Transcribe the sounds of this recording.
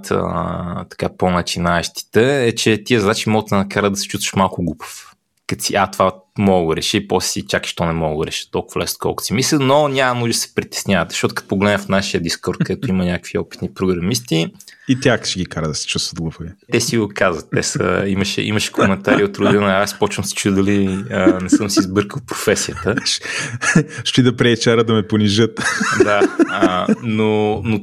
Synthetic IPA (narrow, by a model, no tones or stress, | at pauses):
t̪ə̰t̪ɐ̥kaponɐt͡ʃinaɛʃt̪i̥t̪ɛɛt͡ʃɛt̪iəzɐd̪at͡ʃimɔɡot̪ɛnɐkaɾəd̪ɐsɛ̥t͡ʃust̪və̥ʃmalˠkʊɡlupə̥f | kɐt̪siʔat̪ovamɔɡoɾɛʃəipɔssit͡ʃaki̥ʃt̪ɔnɛmɔɡʊɾɛʃə̥t̪ɔlˠkʊ̥vɐlɛsno̥kɔ̰lˠkʊ̥simislʲənonʲamɐnuʒd̪ɐsɛ̥pɾit̪ɛ̥snʲavət̪ʃɔt̪ʊkɐ̥t̪pːoɡlɛd̪nəfnaʃiəd̪iskɔɾt̪kəd̪ɛt̪ʊimənʲakəkviɔpit̪nipɾoɡɾɐmist̪iit̪ʲjakʃiɡʲikaɾəd̪ɐsɛ̥t͡ʃust̪vətd̪̚ɡlˠofovit̪ɛsiɡokazvət̪ːɛsə̰iməʃɛ̰ʔḭməʃɛ̥komɛnt̪aɾiot̪ɾʊd̪inəaspɔt͡ʃvəmsɛ̥t͡ʃud̪ɐliənɛsɤmsiːzbɤɾkəlˠpɾo̥fɛsiət̪əʃ | ʃt̪id̪ɐpɾɛːt͡ʃaɾəd̪ɐmɛponiʒɤt̪d̪a | nono